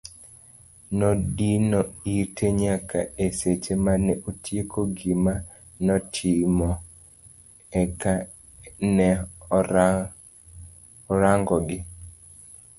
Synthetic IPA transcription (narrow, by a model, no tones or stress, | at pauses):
nɔdinɔitʰeɲakʰa̰eset͡ʃemanɛʔotʰjekʰoɡima | nɔtʰɪmɔ | ɛka | nɛ | ɔɾaŋɡɔɡɪ